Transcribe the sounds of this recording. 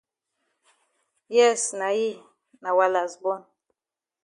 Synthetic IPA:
jɛ˦˨sna˨ji˦ | na˨wa˨la˨zbɔ˦n

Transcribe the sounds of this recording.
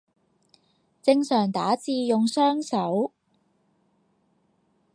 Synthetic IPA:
t͡sɪ˧ŋsœː˨˩ŋt̪a̰ː˨˥t͡siː˧jʊ˨ŋsœː˥ŋsɐ˨˥w

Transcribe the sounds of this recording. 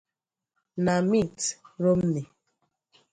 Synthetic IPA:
na˨mi˦˨tɾo˦m̩˦ni˨

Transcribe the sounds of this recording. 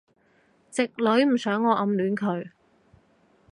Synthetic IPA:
t͡sɪ˨k̚lɵ˨˥ɥm̩˨˩sœː˨˥ŋːɔː˨˧ʔɐ˧mlyː˨˥nkʰɵ˨˧ɥ

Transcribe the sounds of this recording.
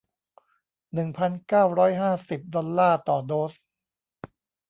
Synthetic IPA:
nɯ˨˩ŋpʰa˧nkaː˥˩wɾɔː˦˥jɦaː˥˩si˨˩p̚dɔ˧nːaː˥˩t̪ɔː˨˩doː˦˥s

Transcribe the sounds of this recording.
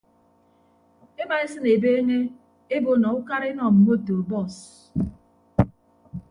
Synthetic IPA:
e˦ma˨e˦sɨ˦ne˨be˦e˦ŋe˦ | e˦bo˦na˨u˦ka˦ɾe˦nɔ˨m̩˨mo˦to˨bɔ˦˨s

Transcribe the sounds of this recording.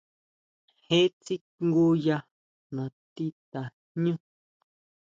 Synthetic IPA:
he˦t͡si˦kŋɡo˦ja˧ | nã˨t̪i˦t̪a˨hɲũ˦

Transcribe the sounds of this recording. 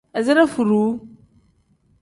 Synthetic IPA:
a˨za˦ɾa˦fu˨ɾu˨˦

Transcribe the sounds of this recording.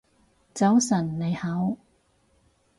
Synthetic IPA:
t͡sɐ˨˥wsɐ˨˩nːe˨˧jhɐ˨˥w

